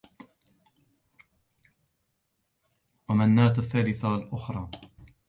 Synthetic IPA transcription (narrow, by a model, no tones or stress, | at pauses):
wamanːaːt̪aθːaːlɪθalʔʊxɾˤɑː